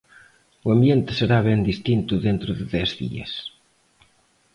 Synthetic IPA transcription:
uambjent̪ɪ̥seɾaβɛnd̪ist̪int̪uðent̪ɾʊðɪðɛzðḭɐ̰s

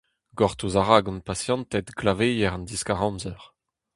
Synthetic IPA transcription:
ɡɔʁt̪uzaʁaɡɔ̃npasjɑ̃nt̪ɛt̪ɡlavejɛʁɑ̃nd̪iskaʁɑ̃mzœʁ

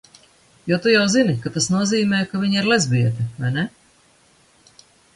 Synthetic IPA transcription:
jɔt̪ujawzinikat̪asnuɔziːmɛːjkaviɲiɾlˠɛzʲbiɛt̪ɛvajnɛ

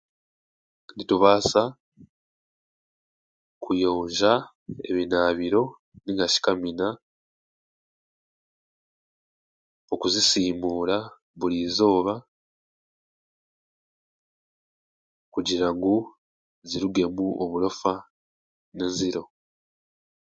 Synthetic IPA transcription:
ndituβaːsa | kujo̞ːɲʒa | ḛβinaːβiɾo̞ | niŋɡaci̥kamina | o̞kuzisiːmuːla | βulizo̞ːβa | kuɟiɾaŋɡu | ziɾuɡe̞muʔoβulo̞fa | neziɾo̞

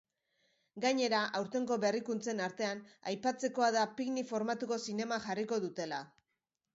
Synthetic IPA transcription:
ɡaɲe̞ɾaʔawɾt̪e̞ŋɡo̞βe̞rikunt͡se̞naɾt̪e̞anajpat͡se̞ko̞aðapiɣnifo̞ɾmat̪uko̞sine̞maxariko̞ðut̪e̞la

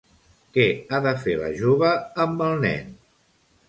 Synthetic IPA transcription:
kɛaðəfelə̰ʒoβəːmbəlˠnɛ̰n

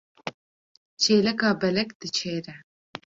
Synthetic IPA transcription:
t͡ʃʰeːlɛkɑːbɛlɛkd̪̥ɨt͡ʃʰeːɾɛ

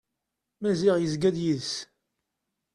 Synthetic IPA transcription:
mæziʁjəzɡæðjiðs

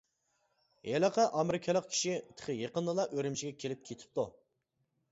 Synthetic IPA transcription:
jɛlɑqʰɑʔɑmɾɪkʲʰɛlˠəq̚kʲʰi̥ʃit̪ʰə̥χʰəjeqənːˠəlˠɑʔøɾɪmt͡ʃʰiɡʲɛkʲʰelɪp̚kʲʰet̪ʰɪ̥p̚t̪ʰu

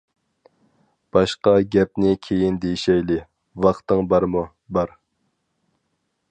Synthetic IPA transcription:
b̥ɑʃqɑɡʲɛp̚nɪkʲʰejind̪ejiʃɛjlɪ | wɑχt̪ɨŋbɑɾmu | bɑɾ

